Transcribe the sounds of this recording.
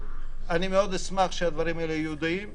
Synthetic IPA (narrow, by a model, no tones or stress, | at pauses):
animeo̞d̪esmaχʃead̪vaɾimaelejeɦud̪iim